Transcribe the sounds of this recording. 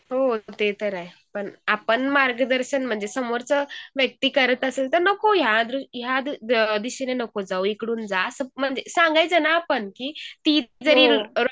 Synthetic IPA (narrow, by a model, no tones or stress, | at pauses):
ɦot̪et̪əɾaɦepəɳapəɳmaɾɡəd̪əɾɕənm̤əɳd͡zesəmoɾt͡səʋjək̚t̪iːkəɾət̪əselt̪əɾnəkojad̪ɾujad̪d̪iɕinenəkod͡zauikɽuːnd͡zasəm̤əɳd͡zesãŋɡajt͡sənaːpəɳkiːt̪id̪d͡zəɾiːɾɾ